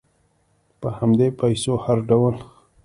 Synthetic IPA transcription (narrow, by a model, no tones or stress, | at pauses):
pəhamd̪epajsohaɾɖawəl